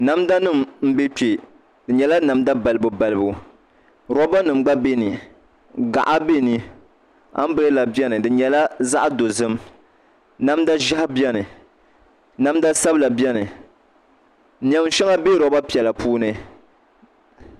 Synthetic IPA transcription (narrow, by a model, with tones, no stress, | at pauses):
na˨˦mda˦nɨ˦˨mm̩˦be˦t͡ʃe˨ | dɨ˨ɲɛ˨la˦na˨mda˦ba˨lɨ˦bu˨ba˨lɨ˦bu˦ | ɾɔ˦ba˦nɨ˨mɡ͡ba˦be˦ni˨ | ɡa̰˨ʔa˦be˦ni˨ | a̰˦m˦bɨ˦ɾɨ˦la˨bjɛ˦nɨ˨dɨ˨ɲɛ˨la˦za˦ʔa˦do˨zɨ˦m | na˦m˦da˦ʒa˦hbjɛ˦nɨ˨ | na˦m˦da˦sa˦bla˨bjɛ˦nɨ˨ | ɲ˨ɛ˨m˦ʃɛ˦ŋa˦be˦ɾɔ˨˦ba˦pi˨ɛ˨la˨pʰuː˦nɨ˨